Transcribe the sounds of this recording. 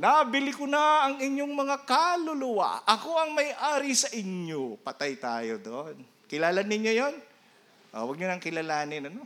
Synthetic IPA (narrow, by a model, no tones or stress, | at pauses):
nabɪlɪkʊnɐaɐŋɪɲjoŋmɐŋakalʊlʊwa̰ʔɐko̞ʔɐŋmɐjʔaːɾisɐʔɪɲjopɐt̪ajt̪a̰ːjo̰d̪oʔon | kɪlaːlanɪɲjojon | ʔo̰wɐɡ̚ɲʊnɐŋkɪlɐlaːnɪnɐno̞